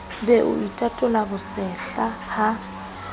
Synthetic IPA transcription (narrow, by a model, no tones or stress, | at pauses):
bɛʔʊ̰ʔitʼatʼʊlabʊsɛɬaha